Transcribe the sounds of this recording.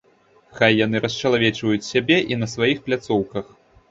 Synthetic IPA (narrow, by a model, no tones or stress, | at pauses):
xajːanɨɾʔɐsʲt͡ʃɐlˠavʲɛt͡ʂvɐjut͡sʲsʲabʲɛʔinɐsvajixplʲat̪sɔwkɐx